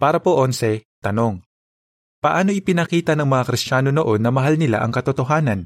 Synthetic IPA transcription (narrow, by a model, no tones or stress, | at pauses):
paːɾɐpoʔonsɛt̪ɐno̞ŋ | pɐʔaːno̞ʔɪpɪnɐkiːt̪ɐnɐŋmɐŋakɾɪst͡ʃaːno̞noʔo̞nːɐmɐɦalnɪla̰ʔɐ̰ŋkɐt̪ot̪oɦaːnɐn